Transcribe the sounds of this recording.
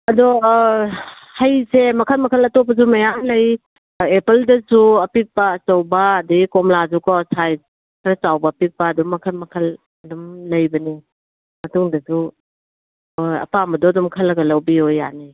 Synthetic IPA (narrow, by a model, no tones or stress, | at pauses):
ɐdɔ | hɐjsemɐkʰɐlmɐkʰɐlɐtopɐzumɐjanlɐj | epeldɐzuɐpik̚pɐːstɐwbɐːdiikomlazukɔsʰaj | kʰɾɐt͡ʃawbɐpik̚pɐːdɔŋmːɐkʰɐlmɐkʰɐl | ɐdumlɐjbɐni | mɐtuŋdɐzu | ojɐ̰pamɐdɔɐdɔmkʰɐlːɐɡɐlɐwbiojːa̰ni